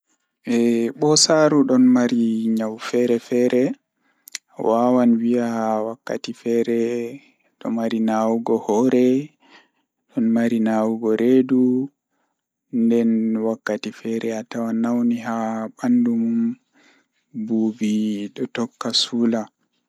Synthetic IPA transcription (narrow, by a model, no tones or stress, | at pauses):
ʔɛɓɔsaɾuɗɔnmaɾiɲawfɛɾɛfɛɾɛ | wʔawanwiawakːa̰tifɛɾɛ | ɗɔ̰maɾinawuɡɔhɔɾɛ | ɗɔnmaɾinawuɡɔɾʔedu | ndɛnwakːatifɛɾɛatawanawniɦaɓandumum | buːbiɗɔtɔkːasula